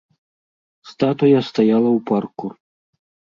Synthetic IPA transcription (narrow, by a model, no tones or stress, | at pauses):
st̪at̪ɔjast̪ajalˠɐwparkur